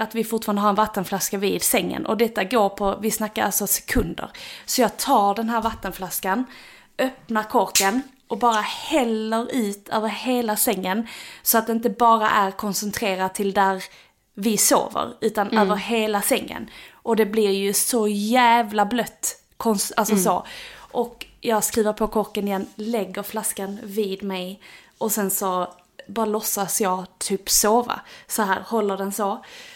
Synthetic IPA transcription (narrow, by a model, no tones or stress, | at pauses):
at̪vɪfʊʈfɑːɾandəɦaɾɛnvat̪ːənflaskavɪd̪sɛŋːə̰nʔɔ̰d̪ɛt̪ːaɡoːɾpʰɔvɪsnakːaɾa̰lsɔsɛ̥kʰɵnd̪ə̰ɾsɔjɑːɡt̪ʰɑːɖɛnɦæːɾvat̪ːənflaskan | ʔœpnaɾkʰɔɾkən | ʔɔbɑːɾahɛlːəɾʉ̟ːt̪ʰøːvəɾheːlasɛŋːənsɔat̪̚d̪ɛɪnt̪̬ːəbɑːɾa̰ʔæɾkʰɔnsɛnt̪ʰɾeːɾat̪ʰɪld̪æɾ | vɪso̰ːvə̰ɾʉ̟ːt̪anøːvəɾɦeːlasɛŋːə̰nʔɔd̪ɛblɪɾjɵsɔjæːvlablœt̪ː | kʰɔnsa̰lsɔsoʔɔkjɑːɡskɾiːvəɾpʰɔkʰɔɾkːənɪjɛnːlɛɡːəɾflaskanvɪːd̪mɛj | ʔɔsɛnsɔ | bɑːɾalɔsːasjɑːɡt̪ʰyːpsoːva̰sɔɦæːɾhɔlːəɖɛnso